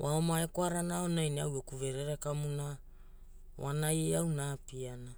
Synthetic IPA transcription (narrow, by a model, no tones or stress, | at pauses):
waomaekoaɾanaonajniawokuve̞ɾeɾekamuna | wa̰najeawnapiana